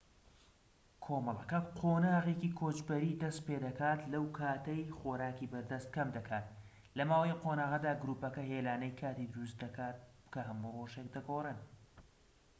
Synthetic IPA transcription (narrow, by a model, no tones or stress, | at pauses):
kʰoːmɐlˠɐkɐqʰoːnaːɣecikʰoːt͡ʃbɐɾid̪ɐst̪̚ped̪ɐkaːt̪lɐwkʰaːt̪ɐjχoɾaːkibɐɾd̪ɐst̪̚kʰɐmd̪ɐkʰaːt̪ | lɐmaːwɐjqʰonaːɣɐd̪aːɡɾuːpɐkɐɦeːlaːnɐjkʰaːt̪iːd̪ɨɾus̬t̪̚d̪ɐkʰaːt̪̚ | kʰɐɦɐmuːroːʒek̚d̪ɐɡorɨn